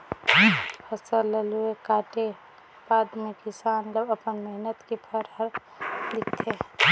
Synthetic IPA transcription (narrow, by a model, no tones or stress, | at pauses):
pʰəsələluekaːʈe | paːd̪mekɪsaːnd͡ʒəbəpənmeɦnət̪kipʰəɾɦəɾ | lɪkt̪ʰe